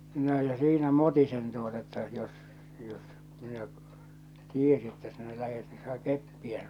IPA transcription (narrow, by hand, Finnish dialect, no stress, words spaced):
noː jɑ siːnæ motisen tuotɑ etːæ jos jos minæ tiesi etːæ sinæ læhet ni siæ kepːiæ sin